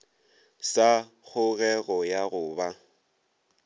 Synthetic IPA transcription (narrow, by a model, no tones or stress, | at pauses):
sa | k͡xʰʊɣɛɣɔjaɣʊːba